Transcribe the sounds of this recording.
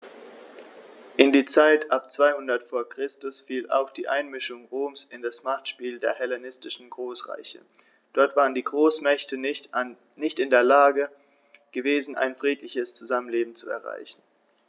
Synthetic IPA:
ʔɪndiːt͡saɪtʰʔap̚t͡sv̥aɪhʊndɐtfoːɐkʁ̥ɪstʊsfiːla̰ʊxd̥iːʔaɪnmɪʃʊŋʁoːmsɪndasmaχtʃpiːldeːɐhɛlanɪstɪʃn̩ɡʁoːsʁa̰ɪçə̰ | d̥ɔɐtv̥aːʁəndiːɡʁoːsmɛçtə | nɪçtɪndeːɐlaːɡə | ɡ̥əveːzn̩ʔa̰ɪnfʁ̥iːtlɪçəst͡suzamənleːbm̩t͡suɛ̰ɐʁa̰ɪçn̩

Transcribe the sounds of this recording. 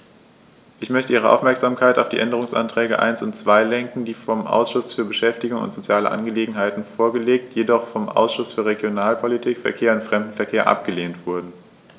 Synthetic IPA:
ʔɪçmœçtəʔiːʁ̞əʔaʊfmɛɐkz̥aːmkʰaɪta̰ʊfd̥ḭːʔɛndəʁ̞ʊŋsʔa̰ntʁ̥ɛːɡə̰ʔa̰ɪnsʊntt͡sv̥aɪlɛŋkŋ̩diːfɔmʔa̰ʊsʃʊsfyːɐbəʃɛftɪɡʊŋʊ̰ntz̥ot͡sjaːlə̰ʔa̰nɡəleːɡŋ̩ɦaɪtn̩foːɐɡəleːk̚tjedɔχfɔmʔa̰ʊsʃʊsfyːɐʁeɡjonaːlpʰolitʰiːkfɛɐkʰeːɐʊntfʁ̥ɛmdn̩fɛɐkʰeːɐʔa̰p̚ɡ̥əleːntv̥ʊɐdn̩

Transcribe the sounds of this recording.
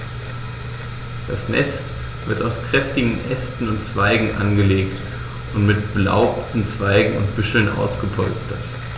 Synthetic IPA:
d̥asnɛ̰st | v̥ɪɐtaʊskʁ̥ɛftɪɡŋ̩ʔɛstn̩ʊntt͡sv̥aɪɡŋ̩ʔa̰nɡəleːkt | ʔʊntmɪtb̥əla̰ʊp̚tn̩t͡sv̥aɪɡŋ̩ʊ̰ntb̥ʏʃl̩nʔa̰ʊsɡ̥əpʰɔ̰lstət

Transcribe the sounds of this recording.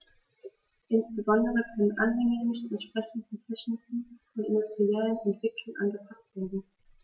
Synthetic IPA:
ʔɪnsb̥əzɔndəʁəkʰœnənʔanhɛŋənɪçtɛntʃpʁ̥ɛçn̩tnt͡sɪʃnn̩tʰifɔnɪndʊstʁ̥iɛlənɛntv̥ɪklʊŋʔa̰nɡəpʰastv̥eːɐdn̩

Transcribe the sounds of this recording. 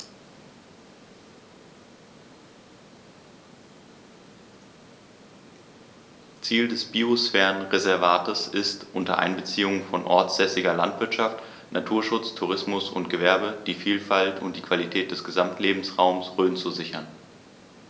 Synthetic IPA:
t͡siːldɛsb̥iːosfɛːʁənʁezɛɐvaːtəsɪstʔʊntɐ̰ʔa̰ɪnbət͡siːʊŋənfɔnʔɔ̰ɐt͡sz̥ɛsɪɡɐlantv̥ɪɐtʃaft | nʔatʰuːɐʃʊt͡stʰuʁ̞ɪsmʊsʊ̰ntɡ̥əvɛɐbəd̥iːfiːlfaltʰʊntd̥iːkv̥alitʰɛːt̚d̥ɛsɡ̥əzamtʰleːbm̩sʁaʊmsʁøːnt͡suzɪçɐn

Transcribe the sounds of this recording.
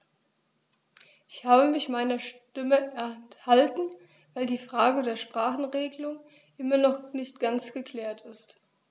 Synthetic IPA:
ʔɪçhaːbəmɪçmaɪnɐʃtɪməɛɐhaltn̩ | vaɪldiːfʁ̥aːɡədeːɐʃpʁ̥aːχn̩ʁeːɡəlʊŋ | ʔɪmɐnɔχnɪçt̚ɡ̥ant͡sɡ̥əkʰl̥ɛːɐtʰɪst

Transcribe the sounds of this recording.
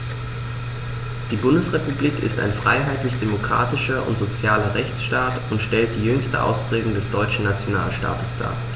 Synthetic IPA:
d̥iːbʊndəsʁepubliːkɪ̰sta̰ɪnfʁ̥aɪɦaɪtlɪçd̥emokʁ̥a̰ːtɪʃɐʔʊ̰ntz̥ot͡sjaːlɐʁɛçt͡sʃtaːtʊntʃtɛlt̚d̥iːjʏŋstə̰ʔa̰ʊspʁ̥ɛːɡʊŋdɛsd̥ɔʏt͡ʃn̩nat͡sjonaːlʃta̰ːtəsd̥a̰ː

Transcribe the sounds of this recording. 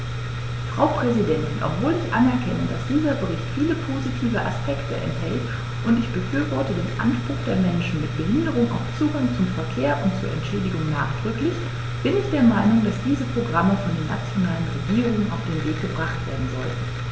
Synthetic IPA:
fʁ̥aʊpʁ̥ɛzidɛntɪnʔɔ̰pv̥oːlɪçʔa̰nɛɐkʰɛnədasd̥iːzɐbəʁɪçtfiːləpʰozitʰiːvəʔa̰spʰɛktəʔɛ̰nthɛlt | ʔʊntɪçb̥əfyːɐvɔɐtədeːnʔa̰nʃpʁ̥ʊχd̥eːɐmɛnʃn̩mɪt̚b̥əɦɪndəʁʊŋʔa̰ʊft͡suːɡaŋt͡sʊmfɛɐkʰeːɐʔʊntt͡suːɐʔɛntʃɛːdɪɡʊŋnaːχd̥ʁ̥ʏklɪç | b̥ɪnɪçd̥eːɐmaɪnʊŋdasd̥iːzəpʁ̥oɡʁaməfɔndeːɐna̰t͡sjonaːlənʁeɡiːʁʊŋəna̰ʊfd̥eːnveːk̚ɡ̥əbʁaχtv̥ḛːɐdn̩zɔ̰ltn̩

